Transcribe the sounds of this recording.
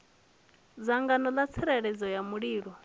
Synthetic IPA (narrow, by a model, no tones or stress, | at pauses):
d͡zaŋɡanɔlat͡sʰiɾɛɺɛd͡zɔjamuɺiːɺɔ